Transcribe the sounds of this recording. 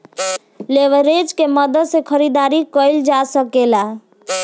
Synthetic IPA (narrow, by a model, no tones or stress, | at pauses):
leʋəɾed͡ʒkeməd̪əd̪sekʰəɾid̪aɾikəjld͡ʒasəkela